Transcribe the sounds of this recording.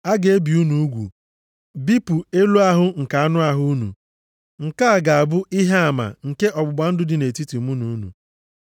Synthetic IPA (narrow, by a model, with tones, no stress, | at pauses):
a˦ɡe˨e˦bi˨u˦nu˨u˦ɡʷṵ˨ | bi˦pu˨e˦lu˦a˦ɦʊ˦ŋ̩˨ka˨a˦nʊ˦a˦ɦʊ˦nṵ˨ | ŋ̩˨ka˦a˨ɡa˨a˨bʊ˦ʔi˦ɦe˦a˨ma̰˨ŋ̩˨ke˦ʔɔ˨ɡ͡bʊ˨ɡ͡ba˨n̩˦dʊ˦dɪ˨ne˨ti˦ti˨mu˦nu˨˦nṵ˨